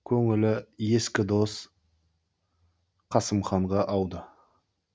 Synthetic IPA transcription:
kʲʰɵŋɪlɪje̞skʲɪd̪o̞s | qʰɑsəmχɑɴʁɑʔɑwd̪ə

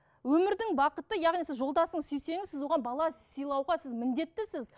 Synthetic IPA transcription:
wɵmɪɾd̪ɪŋbɑqət̪əjɑʁnijsɪzʒo̞lˠd̪ɑsəɴzʏjse̞ŋɪzɪzwo̞ʁɑnbɑlˠɑsijlˠɑwʁɑsɪzmɪnd̪e̞t̪ːɪsɪz

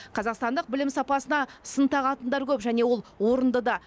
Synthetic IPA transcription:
qʰɑzɑqst̪ɑnd̪əq̚bɪlɪmsɑpɑsənɑsənt̪ɑʁɑt̪ənd̪ɑɾkʲʰɵpʒæne̞wo̞lˠwo̞ɾənd̪əd̪ɑ

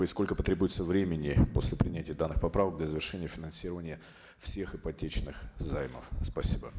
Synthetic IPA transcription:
ɪsko̞lʲkəpət̪ɾʲebujɪt̪səvɾʲemʲɪnʲɪpo̞̰sʲlʲɪpɾʲɪnʲætʲɪjəd̪anːɨxpɐpɾavəkɡ̚d̪lʲazəvʲɪrʂɛnʲɪjəfʲɪnɐnsʲiɾəvənʲɪjə | fsʲe̞xɨpɐtʲet͡ɕnɨxzajmə̰fspɐsʲibə

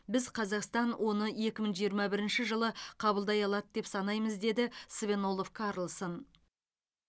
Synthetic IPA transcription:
bɪzqʰɑzɑqst̪ɑnwʔo̞nəe̞kʲɪməɴʒijəɾmɑbɪɾɪnʃɪʒəlˠəqʰɑbəlˠd̪ɑjɑlˠɑd̪əd̪e̞psɑnɑjməzd̪e̞d̪ɪsvʲe̞no̞lˠofkʰɑɾlˠsən

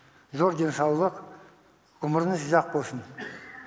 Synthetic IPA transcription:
zo̞ɾd̪ensɑwlˠəq | ʊməɾənəsəʒɑq̚bolˠsən

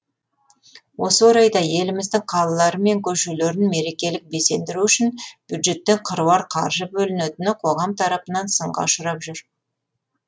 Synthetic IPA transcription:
wo̞səwoɾɑjd̪ɑje̞lɪmɪzd̪ɪŋqʰɑlˠɑlˠɑɾəme̞ŋkʲʰɵʃule̞ɾɪnme̞ɾe̞kʲe̞lɪk̚be̞se̞nd̪ɪɾuʏʃɪnb̥jud̪ʒe̞t̪ːe̞ŋqʰəɾuwɑɾqʰɑ̰ɾʒəbɵlɪnet̪ɪnɪqʰo̞ʁɑmt̪ʰɑɾɑpənɑnsəɴʁɑ̰ʃʊɾɑpʒʏɾ

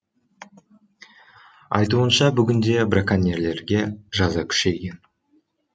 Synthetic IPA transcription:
ɑ̰jt̪̬uənʃɑbʏɡʲɪnd̪e̞brakanʲeɾle̞ɾɡʲe̞ʒɑzɑkʲʰʏ̥ʃe̞ɡʲe̞n

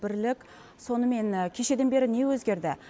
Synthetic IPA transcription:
bɪɾlɪkʲ | so̞nəme̞nkʲʰe̞ʃe̞d̪e̞nbe̞ɾɪnewɵzɡʲe̞ɾd̪ɪ

